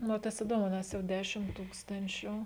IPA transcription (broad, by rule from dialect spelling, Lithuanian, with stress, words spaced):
nʊ oː ˈtɐs ɪˈdoːmʊ ˈnʲɛs jɛʊ ˈdʲæːʃʲɪm ˈtuːkstɐnʲt͡ʃʲʊ